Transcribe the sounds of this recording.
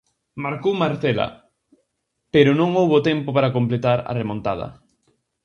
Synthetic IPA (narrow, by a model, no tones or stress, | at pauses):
maɾkowmaɾθɛlɐ̰ | peɾʊnõŋowβot̪ɛmpopaɾakomplet̪aɾɐ̰remõnt̪að̞ɐ̰